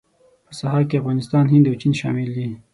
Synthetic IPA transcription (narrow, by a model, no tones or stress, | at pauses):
pəsaɦɑɾkeafɣɑnɪst̪ɑnɦɪnd̪awt͡ʃinʃɑ̰mɪld̪i